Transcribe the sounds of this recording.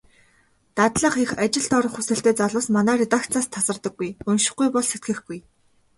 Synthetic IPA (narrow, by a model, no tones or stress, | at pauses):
t̪at̪ɮə̆χexat͡ɕɪ̆ɮt̪ɔɾɞ̆χxusɘ̆ɬt̪eːt͡saɮʊːsmanæːɾet̪akt͡saːst̪ʰasə̆rt̪ə̆ɡ̚ɡujɵnʃɪ̥̆χɡujpɔɮset̪̚ɡɘ̆xɡuj